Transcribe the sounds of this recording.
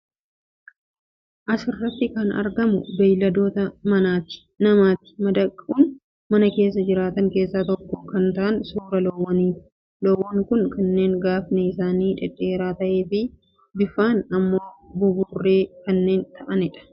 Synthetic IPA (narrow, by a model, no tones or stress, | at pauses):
ʔɐsɪrːɐt̪ːɪkɐnɐ̰ɾɡɐmʊ̰bɐjlɐd̪o̞ːt̪ɐmɐnaːt̪ɪ̥ | nɐmaːt̪ɪ̥mɐd̪ɐkʼːuːn | mɐnɐke̞ːs̬ːɐd͡ʒɪɾaːt̪ɐŋke̞ːsːaːt̪ɔkːɔkɐnt̪ɐʔɐnsuːɾɐlowːɐniːt̪ʊ̥ | loːwːɐŋkʊŋkɐnːe̞ːŋɡaːfneɪsaːniːᶑɛᶑe̞ːɾaːt̪ɐʔe̞ːfɪ | bɪfaːnɐmːo̞ːbʊbuːrːe̞ːkɐnːe̞ːnt̪ʰɐʔɐnɪᶑɐ̥